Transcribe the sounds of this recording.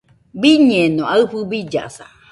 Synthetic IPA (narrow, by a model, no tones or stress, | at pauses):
biɲɛ̃nõaɨɸɨbid͡ʒa̰sa̰